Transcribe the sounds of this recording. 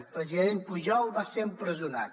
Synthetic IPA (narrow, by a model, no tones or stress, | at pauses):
lpɾəziðenpuʒɔwβaseɾəmpɾəzuna̰t̪